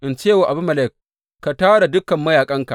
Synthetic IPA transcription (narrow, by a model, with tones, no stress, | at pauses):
ʔɪ˨nt͡ʃeː˦˨wa˨ʔa˨bu˦mɐ˨lɛ˦˨k̚ː | a˨taː˦ɽa˨dʊ˦kɐ˨mːɐ˦jaː˨kʼɐ˦ŋka˨